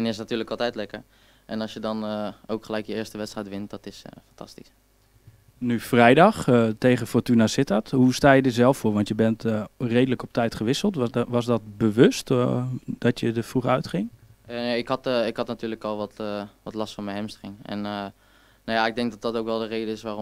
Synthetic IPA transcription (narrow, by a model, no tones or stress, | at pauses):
ɛnɪsnatyːɹləkɑlˠtɛjtlɛkəɹ | ʔɛnɑsjədɑnowkχəlɛjkjəɪːɹstəʋɛtstrɛjtʋɪnt̚dɔtɪsfɑntɑ̰stis | nyfrɛjdɑχtejχəfɔrtynasɪtatɦustaːjədɪzɛlˠffʊːɹʋɑntjəbɛntrejdələkɔp̚tɛjtχəʋɪsəlˠtʋɑsdɔt̚bəʋɵstdɔtjədəfruχœɥtχɪŋəneɪkhɑtɪkhɑtnatyːləkɔlˠʋɔtʋɔtlɑstfɔnmɛnɦɛmstχɪŋɛ̰n | najaɪɡ̚dɛŋk̚dɑt̚dɑtowkʋɛlˠdərejdəɪsʋaːrɔ